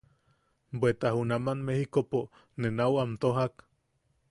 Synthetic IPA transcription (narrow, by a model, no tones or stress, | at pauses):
bwet̪ahunamanmehikopo | nenawamt̪oɦak